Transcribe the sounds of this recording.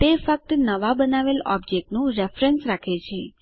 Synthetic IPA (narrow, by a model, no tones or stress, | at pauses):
t̪efək̚t̪ənəʋabənaʋelɔ̰bd͡ʒek̚ʈnũɾefɾensɾakʰet͡ʃʰe